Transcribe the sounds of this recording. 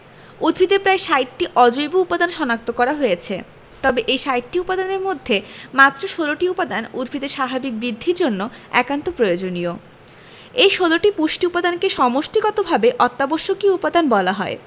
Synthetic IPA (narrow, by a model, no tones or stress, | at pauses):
ud̪bʱid̪epɾaeʃajʈʈiʔɔd͡ʑojboupad̪anʃɔnak̚t̪okɔɾaɦojet͡ɕʰe | t̪ɔbeʔejʃajʈʈiupad̪aneɾmod̪ʱːemat̪ːɾoʃoloʈiupad̪anud̪bʱid̪eɾʃabʱabik̚bɾid̪ʱːiɾd͡ʑonːoɛ̰kant̪opɾojod͡ʑonio | ejʃoloʈipuʃʈiupad̪ankeʃɔmoʃʈiɡɔt̪obʱabeʔɔt̪ːaboʃːokiupad̪anbɔlaɦɔe